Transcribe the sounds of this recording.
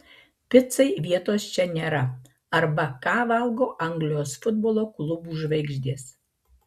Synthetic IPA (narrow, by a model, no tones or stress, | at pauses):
pʲɪt̪sɐɪʋʲiɛt̪oːst͡ʃʲɛnʲeːɾɐ | ɐɾbɐkɑːʋɐlˠɡoːʔɐŋɡlʲɪjoːsfʊd̪boːlˠoːklˠʊbuːʒʋɐɪɡʒʲd̪ʲiːs